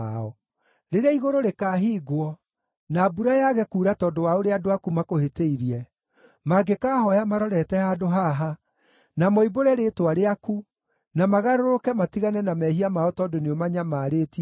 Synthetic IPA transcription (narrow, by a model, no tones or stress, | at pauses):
aɔ | ɾeɾeaiɣoɾoɾekaːɦiːɡwɔ | naːbuɾajaɣɛkuːɾatɔːdowaoɾeadoakumakoheteiɾiɛ | maɡekaːhɔjamaɾɔɾɛtɛhadoɦaɦa | namɔiboɾɛɾeːtwaɾeaku | namaɣaɾoɾokɛmatiɣanɛnamɛɦiamaɔtɔːdoneɔmaɲamaːɾeːti